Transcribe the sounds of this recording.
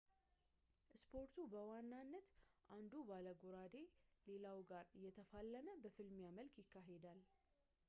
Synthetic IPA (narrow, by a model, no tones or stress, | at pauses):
ʔspʰo̞ɾt̪ʰubəwanːanːət̪ʔand̪ubaləɡoɾad̪e̞le̞lawɡaɾɨjːɛt̪ʰəfalːəməbəfɨlmjaməlkjɪkːaɦed̪al